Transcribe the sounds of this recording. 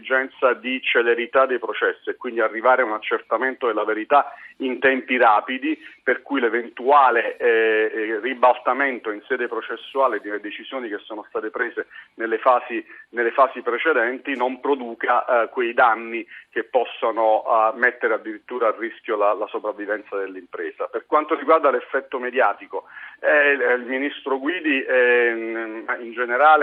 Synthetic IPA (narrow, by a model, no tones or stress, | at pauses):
d͡ʒɛnt̪sad̪it͡ʃeleɾit̪ad̪ːejpɾot͡ʃɛsːiɛkːwind̪iarːivaːɾeunat͡ʃːert̪ament̪oelːaveɾit̪aint̪ɛmpiɾaːpid̪iperkujlevent̪uaːle | ribalt̪ament̪oinsɛːd̪epɾot͡ʃesːuaːled̪elːed̪et͡ʃiz̥joːnik̟esːoːnost̪aːt̪epɾeːzenelːefaːsinelːefaːsipɾet͡ʃed̪ɛnt̪inompɾod̪uːkakwejd̪anːik̟epːɔsːonomɛt̪ːeɾead̪ːiɾit̪ːuːɾaːrːisk̟ʲjolalasopɾavːivɛnt̪sad̪elːimpɾeːz̥aperkwant̪oɾiɡward̪alefːɛt̪ːomed̪jaːt̪ikoɛilminist̪ɾoɡwiːd̪iɛ | ind͡ʒeneɾaːle